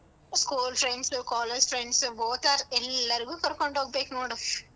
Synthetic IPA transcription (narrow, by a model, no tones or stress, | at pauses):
skuːlfɾɛɳɖskaːled͡ʒfɾɛɳɖsʋoːt̪aːɾɛlːɐɾɯkɯ̃kɔɾɯkːɔɳɖoːkpeːknoːɽɯ